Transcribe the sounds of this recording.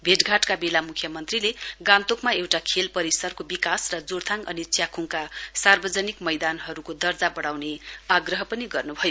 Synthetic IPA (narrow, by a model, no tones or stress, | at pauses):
bʱeʈɡʱaʈkabelamukʰjʌmʌnt̪rileɡãnt̪okmaewʈakʰelpʌɾisʌrkobikasrʌd͡zoɽt̪ʰaŋʌ̰nit͡sjakʰuŋkasarbʌd͡zʌnikmʌjd̪anɦʌɾukod̪ʌrd͡zabʌɽawneaɡrʌɦʌpʌniɡʌrnubʱʌjo